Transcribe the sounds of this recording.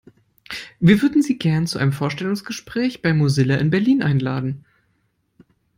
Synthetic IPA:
viːɐvʏɐdn̩ziːɡɛɐnt͡suʔa̰ɪnəmfoːɐʃtɛlʊŋsɡ̥əʃpʁ̥ɛːçb̥aɪmuzɪlaʔɪnbɛɐliːnʔaɪnla̰ːdn̩

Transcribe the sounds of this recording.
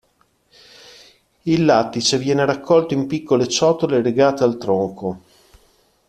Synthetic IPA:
ilːat̪ːit͡ʃevjɛːneɾakʰːɔlt̪oimpikːolet͡ʃɔt̪oleleɡaːt̪ealt̪ɾoŋko

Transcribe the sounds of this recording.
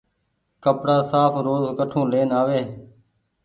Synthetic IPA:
kəpɽaːsaːpʰɾoːzkəʈʰõːleːnaːʋeː

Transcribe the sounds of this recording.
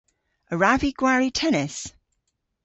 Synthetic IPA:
əɹaviɡ̥waɹitʰɛnɪs

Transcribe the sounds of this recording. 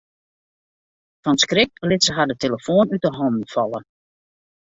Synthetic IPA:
fɔnskrɪk̚əlɪsəɦadəteləfoːnyt̚dəɦɔndn̩fɑlˠə

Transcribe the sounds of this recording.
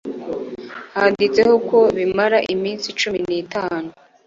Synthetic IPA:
haːdit͡se̞hoko̞βimaɾaʔimiːnsit͡ʃuminiːtaːnu

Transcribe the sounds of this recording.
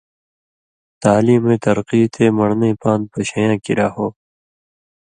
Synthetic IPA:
t̪aːliːmẽːt̪ɐɾqiːt̪ʰeːmɐɽneːpãːnd̪̚pɐɕɐjãːkiɾaːhoː

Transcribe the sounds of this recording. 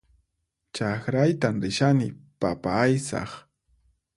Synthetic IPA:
t͡ʃaxɾajt̪amɾɪʃanɪpapaajsɑ̰χ

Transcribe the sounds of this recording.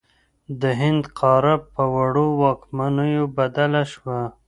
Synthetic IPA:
d̪əɦɪnd̪qʰɑɾapːəwaɽowɑkmanəjobad̪alaʃwa

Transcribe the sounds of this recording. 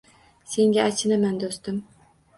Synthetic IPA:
se̞ŋɡʲaat͡ʃʰɪnamand̪ost̪ɪm

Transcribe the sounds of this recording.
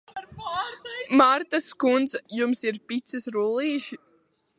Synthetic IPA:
maɾt̪askund̪zjumsiɾpit̪sɨsɾulˠiːʃi

